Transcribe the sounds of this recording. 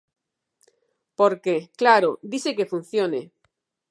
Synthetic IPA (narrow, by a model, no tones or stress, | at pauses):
poɾkeklaɾod̪isekefun̟θjone